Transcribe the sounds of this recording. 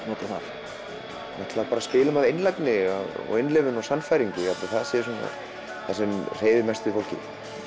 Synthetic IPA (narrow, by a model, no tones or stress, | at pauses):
nɔːt̪aθa̰ɾ̥ | naht̪laðpaɾaspɪːlʏmaðenlajknɪa̰ðɔ̰ɣɪnlɛvʏnɔsanːfajɾiɲcɪat̪ɪθaðsɛs̬una̰ | θasɛmr̥eːjðɪmɛst̪ʏɪfowl̥cɪ̰